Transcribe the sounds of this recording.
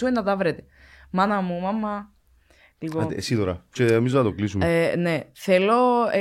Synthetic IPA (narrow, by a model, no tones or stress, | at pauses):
uenːɐt̪ɐvɾet̪e̥ | mɐnɐmumɐmːɐ | lipoesit̪oɾɐseemiznɐt̪oklisumeneθelːo̞e